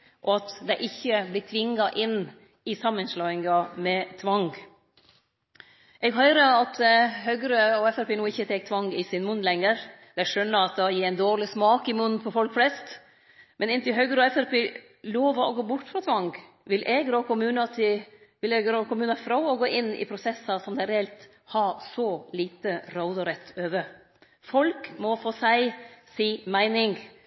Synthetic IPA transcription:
ʔɔɑt̪d̪ɛɪʔɪçːəblɪʈ̪ʰʋɪŋːɑʔɪn | ɪsɑmːənslɑːɪŋɑmɛt̪ʰʋɑŋɡ | ʔɛɡɦœʏɾəɑt̪ɦœɡɾəɔɛfæɾpeːnuːɪçət̪ʰɛːk̚t̪ʰʋɑŋɡɪsɪnmʉnlɛŋːəɾ | d̪̥ɛʂœnːəɾɑt̪̚d̪ɑjiːæɪnd̪oːɾlɪsmɑːkɪmʊnpʰɔfɔlkflɛst̪ | mɛnɪnt̪ɪlɦœɡɾəɔɛfæɾpʰeː | loːʋɑʔɔɡoːbʊʈːfɾɑt̪ʰʋɑŋɡ | ʋɪlʔɛɡɾəɔkʊmʉːnɑt̪ʰɪʋɪlɛɡɾɔkʰʊmʉːnɑfɾɑʊɔɡoːʔɪnːɪ̰pʰɾʊsɛsːɑsɔmd̪ɛɪɾɛɛlt̪ | hɑːsɔliːt̪əɾaʊd̪ɑɾɛt̪ʰːøːʋə | fɔlkmɔfoːsæɪsiːmæɪnɪŋ

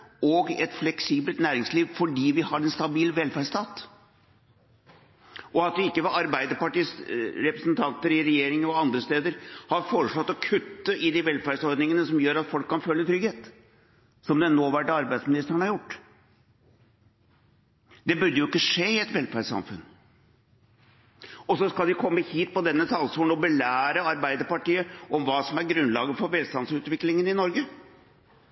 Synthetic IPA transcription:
ɔɡɛt̪flɛksiːbəlt̪næːɾɪŋsliːʋfɔɖiːʋɪhɑɾɛnst̪ɑbiːlʋɛlfæɖst̪ʰɑːt̪ | ʔɔɑt̪̚d̪ɛɪkːəʋɛɑɾbæɪd̪əpɑʈiːsɾɛpɾəsnt̪ʰɑnt̪əɾɪɾɛjeːɾɪŋəɾɔɑnd̪ɾəst̪eːd̪əɾhɑɾfoːɾəʂɑt̪ːɔkʰʉt̪ːəʔɪd̪ɪʋɛlfæɖsɔɾd̪nɪŋənəsɔmjøːɾɑt̪fɔlkʰːɑnfœlːət̪ʰɾʏɡheːt̪ | sɔmd̪ɛnoːʋæʈːɑɾbæɪsmɪnɪst̪ɾəɳəhɑɾjʊʈː | d̪ɛbʉɾɖəjʊɪkːəʂeːɪɛt̪ʋɛlfæɖsɑ̰mfʉ̰n | ɔsɔskɑld̪ɪkʰɔmːəhiːt̪̚pɔd̪ɛnːət̪ʰɑlsuːɳɔbəlæːɾəɑɾbæɪd̪əɾpɑʈiːəʔɔmʋɑːsɔmæɾɡɾʉnlɑːɡəfɔɾʋɛːlst̪ɑnsʉːt̪ʋɪklɪŋənɪnɔɾɡə

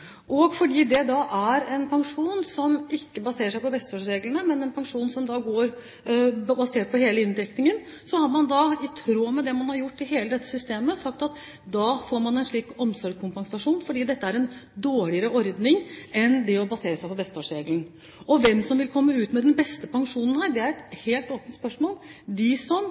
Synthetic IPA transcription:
ʔɔɡfɔɖiːd̪ɛd̪ɑʔæɾɛnpʰɑŋʂuːnsɔmɪkːəbɑseːɾəʂ̬æɪpɔbɛst̪ɑːʂɾeːɡlənəmɛnɛnpʰɑŋʂuːnsɔmd̪ɑɡoːɾ | bɑseːʈ̚pʰɔheːləɪnd̪ɛknɪŋən | sɔhɑɾmɑnd̪ɑɪt̪ʰɾoːmɛd̪ɛmɑnhɑɾjʊʈːɪlɦeːləd̪ɛt̪ːə̥sʏst̪eːməsɑkt̪ɑt̪ | d̪ɑːfoːɾmɑnɛnʂɭiːkɔmsɔɾɖkʰʊmpɑŋsɑʂuːnfɔɖiːd̪ɛt̪ːəæɾɛnd̪oːɭɪəɾəʔɔɾd̪nɪŋɛnd̪ɛɔbɑseːɾəsæɪpʰɔbɛst̪ɑːʂɾeːɡlən̩ | ɔʋɛmsɔmʋɪlkʰɔmːəʉːt̪mɛd̪ɛnbɛst̪əpɑŋʂuːnən̩hæːɾɖɛæɾɛt̪heːlt̪oːpənt̪spœʂmoːld̪ɪsɔm

